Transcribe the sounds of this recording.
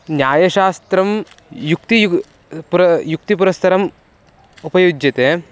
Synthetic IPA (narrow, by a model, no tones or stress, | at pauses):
njaːjɐʃaːst̪ɾɐm | jukt̪i | puɾɐjuk̚t̪ipuɾɐst̪ʰɐɾɐm | upɐjud͡ʒjɐt̪eː